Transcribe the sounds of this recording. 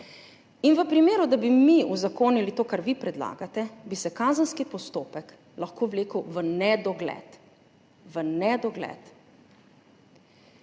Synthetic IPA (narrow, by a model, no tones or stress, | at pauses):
inʋəpɾimeːɾud̪abimiuzakoːnilit̪oːkaɾʋipɾɛd̪la̰ːɡat̪ɛbisɛkazənskipɔst̪oːpɛk | laxkoːʋleːkəwʋənɛd̪ɔɡlɛ̰t̪ | ʋənɛd̪ɔɡlɛ̰t̪